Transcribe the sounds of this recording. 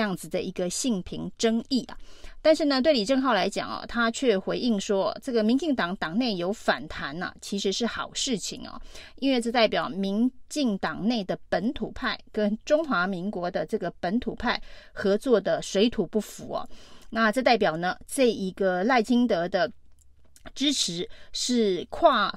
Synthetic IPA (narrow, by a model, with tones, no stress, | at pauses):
ɑ˥˩ŋd͡zɹ̩˨˩d̪ə˩ʔi˧˥ɡə˧ɕi˥˩ŋpʰi˧˥ŋʈ͡ʂɤ˥ŋi˥˩ʔɐ̰˩t̪a˥˧nʂɻ̩˥˩nə˩t̪we˥˩ɪli˨˩ʈ͡ʂɤ˥˧ŋxɑ˥˩ʊla˧˥ɪt͡ɕjɑ̰˨˩ŋɐ̰˨˩t̪ʰa˥t͡ɕʰɥɛ˥˩xwe˧˥ɪʔi˥˩ŋʂwɔ˥ʈ͡ʂɤ˥˩ɡə˩mi˧˥ŋt͡ɕi˥˩ŋt̪ɑ˨˩ŋt̪ɑ˨˩ŋne˥˩ɪjo˧˥ʊfa˨˩nt̪ʰa˧˥nɐ̰˨t͡ɕʰi˧˥ʂɻ̩˧˥ʂɻ̩˥˩xɑ̰˨˩ʊʂɻ̩˥˩t͡ɕʰḭ˨˩ŋɐ̰˨˩i˥nwe˥˧ɪt͡sɤ˥˧t̪a˥˩ɪpjɑ˨˩ʊmi˧˥ŋt͡ɕi˥˩ŋt̪ɑ˨˩ŋne˥˩ɪd̪ə˩pə˧˥nt̪ʰṵ˨˩pʰa˥˩ɪkə˥nʈ͡ʂʊ˥ŋxwa˧˥mi˧˥ŋkwɔ˧˥d̪ə˧ʈ͡ʂɤ˥˩ɡə˩pə˧˥nt̪ʰu˨˩pʰa˥˩ɪxɤ˧˥t͡swɔ˥˩d̪ə˩swe˧˥ɪt̪ʰu˨˩pu˥˩fu˧˥ɐ̰˧˩na˥˧ʈ͡ʂɤ˥˧t̪a˥˩ɪpjɑ˨˩ʊnə˩ʈ͡ʂɤ˥˩i˧˥ɡə˧la˥˩ɪt͡ɕʰi˥ŋt̪ɤ˧˥d̪ə˧ | ʈ͡ʂɻ̩˥ʈ͡ʂʰɻ̩˧˥ʂɻ̩˥˩kʰwa˥˩